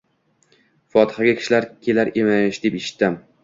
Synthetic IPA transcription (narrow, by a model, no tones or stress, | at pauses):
fɒt̪ʰɪ̥haɡʲakʲʰɪ̥ʃlaɾkʲʰe̞laɾe̞mɪʃd̪e̞peʃɪ̥t̪ːɪm